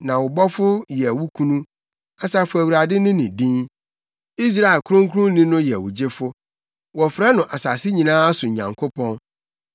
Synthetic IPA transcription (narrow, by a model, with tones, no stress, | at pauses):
nã˨wʊ˨bɔ˦fʊ˦jɛ˨wu˦kʰũ˦nũ˦ | a˨sa˨fʊ˦æ˨wu˨ɾa˨dɪ˦nʊ̃˦nɪ̃˨dĩ˦n | i˦s̬ɾa˦˨ɛ˨lkʰʊ˦ɾʊ̃˦ŋ˦kʰʊ˦ʊ̃˦nĩ˦nʊ̃˦jɛ˨wʊ̰˨d͡ʑe˦fʊ˦ | wɔ˨fɾɛ˦nʊ̃˨ʔa˨sa˨sɪ˦ɲĩ˨nãː˦a˦sʊ˨ɲã̰˨ŋkʰo˦pʰɔ̃˦n